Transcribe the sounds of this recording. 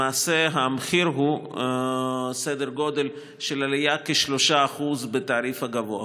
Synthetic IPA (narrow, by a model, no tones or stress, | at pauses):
aːseɦameχiɾɦu | sed̪eɾɡo̞d̪e̞l | ʃelalijakeʃlo̞ʃaːχuzbet̪aːɾifhaɡavoa